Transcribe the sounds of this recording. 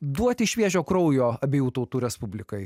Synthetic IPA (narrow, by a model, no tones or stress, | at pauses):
d̪uɔt̪ʲɪɪʃʲʋʲiɛʒʲoːkɾɔʊjoːɐbʲeːjuːt̪ɐʊt̪uːɾʲɛspʊbʲlʲɪkɐɪ